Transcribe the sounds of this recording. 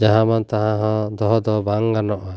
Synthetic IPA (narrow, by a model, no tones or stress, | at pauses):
d͡ʒaɦãmant̪aɦãɦɔ̃d̪ɔɦɔd̪ɔbaŋɡanɔʔa